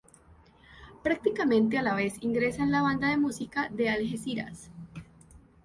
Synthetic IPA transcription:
pɾak̚t̪ikamẽ̞nt̪̬ealaβe̞siŋɡɾe̞saenlaβand̪aðe̞musikaðe̞alɦesiɾa̰s

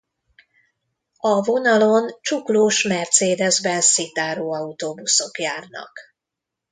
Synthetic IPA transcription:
ɒvo̞nɒlont͡ʃukloːʃmɛrt̪seːd̪ɛzbɛnssit̪aːɾoːɒut̪oːbuso̞kjaːrnɒ̰k

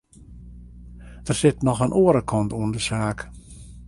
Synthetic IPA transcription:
d̥ərsɪtnɔxənʔoəɾəkʰɔntuəndəsaːk

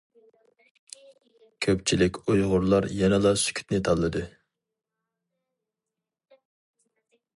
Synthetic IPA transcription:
kʲʰøp̚t͡ʃʰilɪkʲojʁʊɾlˠɑɾjɛnɨlˠɑsy̥kʲʰy̥t̪nɪt̪ʰɑlˠːɨd̪ɨ

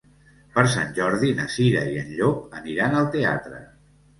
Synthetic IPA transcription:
pəɾs̬a̰nʲʒɔɾðinəsiɾəiənʎok̚əniɾanəlˠt̪ea̰t̪ɾə̰

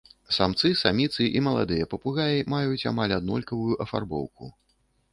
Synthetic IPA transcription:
samt̪sɨsamʲit̪sɨʔimɐlˠa̰d̪ɨjɐpɐpuɣajʲimajut͡sʲa̰malʲad̪nɔlʲkɐvujuʔɐfa̰rbɔ̰wkṵ

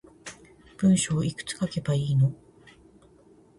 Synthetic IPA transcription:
b̥ɯ̟̃ɰ̃ɕo̞ːikɯ̟̥t͡sɨ̥kake̞baiːno̞

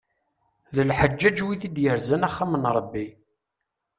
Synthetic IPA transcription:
ðəlħəd͡ʒːæd͡ʒwiθid̪jəɾzænaχːamənɾˤəbːi

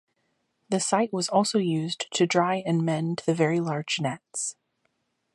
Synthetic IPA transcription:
ðɨsaɪʔ̚wʌzɔlˠsoʊjʉztʰɨdɹaɪɨ̃nmɛ̃nðɨvɛɹilɑɹ̥d͡ʒnɛts

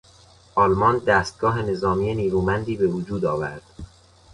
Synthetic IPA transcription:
ʔɒːlmɒnd̪æːst̪̚ɡɒːɦe̞ne̞zɒːmiːjeniːɾuːmænd̪iːbe̞vod͡ʒuːd̪ɒːvæ̰ɾd̪̥

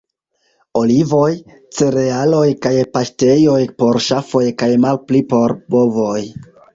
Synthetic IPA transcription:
o̞livo̞j | t͡se̞ɾe̞alo̞jkajpaʃte̞jo̞jpo̞ɾʃafo̞jkajmalplipo̞ɾbovo̞j

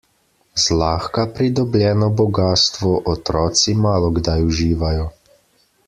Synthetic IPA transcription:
zlaːxkapɾid̪ɔblʲjɛːnɔbɔɡaːst̪ʋɔʔɔt̪ɾɔːt̪simaːlɔɡd̪ajuʒiːʋajɔ

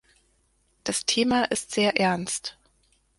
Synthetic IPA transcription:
d̥astʰeːmaʔɪstz̥eːɐʔɛɐnst

